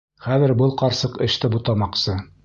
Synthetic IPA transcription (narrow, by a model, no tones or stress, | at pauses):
χæðɘ̆ɾbɤlˠqɑɾsɤqɘ̆ʃt̪ɘbut̪ɑmɑqsɤ